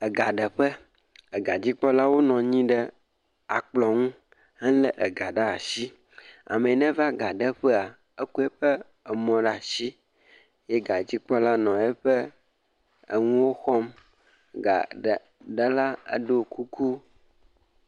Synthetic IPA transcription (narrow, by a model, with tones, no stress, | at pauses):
ə˨ɡa˨ɖə˨ɸə˦ | ə˨ɡa˨d͡ʑi˦k͡pɔ˦la˦wo˦nɔ̃˨ɲĩ˦ɖə˦ | a˨k͡plɔ˨ŋũ˦ | ɦe˦lə˦ʔə˨ɡa˨ɖa˦a˨si˦ | a̰˨mẽ˨nɛ̃˦va˦ɡa˨ɖə˦ɸə˦a˨ | ə˦ku˦ɛ˦ɸə˦ | ə˨mɔ̃˨ɖa˨si˦ | je˦ɡa˨d͡ʑi˦k͡pɔ˦la˦nɔ̃˨ɛ˦ɸə˦ | ə̰˦ŋũ˦wo˦xɔ˦m˨ | ɡa̰˨ | ɖə˦la˦ə̰˦ɖo˦ku˦ku˦